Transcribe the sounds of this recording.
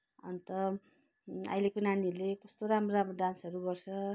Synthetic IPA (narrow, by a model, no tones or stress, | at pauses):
ʌ̰nt̪ʌ | a̰jlekonanilekʌst̪oɾamroɾamroɖansɦʌɾuɡʌrt͡sʰʌ